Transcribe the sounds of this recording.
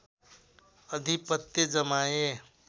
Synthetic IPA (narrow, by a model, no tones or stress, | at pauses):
əd̪ʱipət̪jed͡zəmaje